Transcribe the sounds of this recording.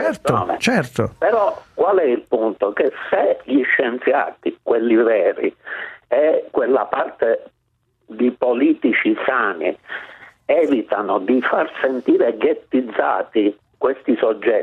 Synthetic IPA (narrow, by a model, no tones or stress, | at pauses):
ɛrt̪oɔːnḛt͡ʃɛrt̪opɛɾɔkwalɛilpunt̪okeseʎiʃːɛnt̪sja̰ːt̪ikwelːivɛːɾḭɛkːwelːapart̪e | d̪ipoliːt̪it͡ʃisaːnḭ | ɛːvit̪anod̪ifarsent̪iːɾɛɡet̪ːid̪zːa̰ːt̪i | kwest̪isɔd͡ʒːɛ